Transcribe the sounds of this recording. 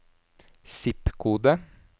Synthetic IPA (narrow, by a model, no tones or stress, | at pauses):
sɪpkʰuːd̪ə